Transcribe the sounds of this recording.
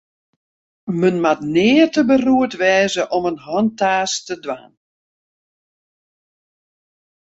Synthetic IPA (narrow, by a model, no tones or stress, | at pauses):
mənmatnɪːərtəbəruətʋɛːzəʔɔmənɦɔntaːstədʋa̰n